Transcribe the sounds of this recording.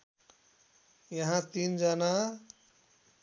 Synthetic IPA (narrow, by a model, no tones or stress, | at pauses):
jʌɦãt̪ind͡ʒʌna